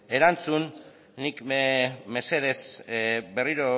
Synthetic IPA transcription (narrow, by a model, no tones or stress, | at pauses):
e̞ɾant͡sunː | ikme̞se̞ð̞e̞sbe̞riɾo